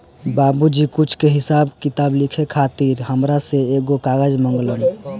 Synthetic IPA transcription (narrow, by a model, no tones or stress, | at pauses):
babud͡ʒikut͡ʃʰkeɦɪsabkit̪aːblikʰekʰat̪iɾɦəmɾaseeɡokaɡəd͡ʒməŋɡlən